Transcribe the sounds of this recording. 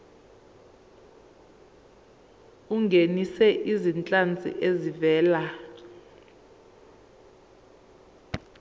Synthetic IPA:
uŋɡʱenisɛʔizint͡ɬʼant͡sʼḭʔezivɛːla

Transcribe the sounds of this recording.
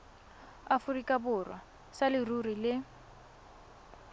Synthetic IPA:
afʊrikʼabʊrwa | salɪrurilɪ

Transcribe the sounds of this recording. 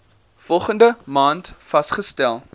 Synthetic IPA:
fɔlˠχəndəmɑːntfɐsχəstælˠ

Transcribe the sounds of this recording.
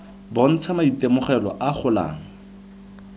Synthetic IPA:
bon̩t͡sʰamaitemʊχɛlɔ̰ʔaχʰʊla̰ːŋ̩

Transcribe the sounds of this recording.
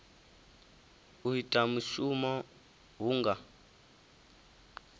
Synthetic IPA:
uɦitʼamuʃumɔ | ɦuːŋɡa

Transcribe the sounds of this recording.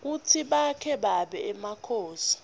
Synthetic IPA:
k̬utʰiɓakʰɛɓaɓɛːmakʰoːsi̥

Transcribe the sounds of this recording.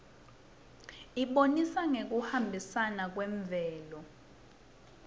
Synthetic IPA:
iɓonisaŋek̬uhambʱisanak̬wɛɱvʱɛːlɔ

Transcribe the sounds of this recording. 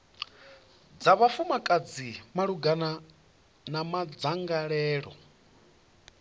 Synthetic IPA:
d͡zaβafumakʼad͡zimaɺuɡana | namad͡zaŋɡaɺɛːɺɔ̰

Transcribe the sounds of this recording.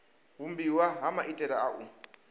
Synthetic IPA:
ɦumbiwaɦamaʔitʼɛdaaʔu

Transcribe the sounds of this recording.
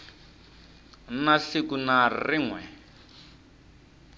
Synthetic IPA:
naɬikunariŋwɛ

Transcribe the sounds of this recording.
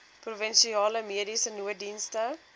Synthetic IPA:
pruvənʃiɑːləmiəɾisənuədinstə

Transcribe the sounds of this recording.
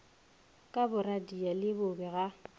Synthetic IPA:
kʼabʊradialɪbʊbɛɣa

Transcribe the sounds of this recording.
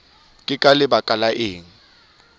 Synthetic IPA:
kʼɪkʼalɪbakʼalaʔɪːŋ̩

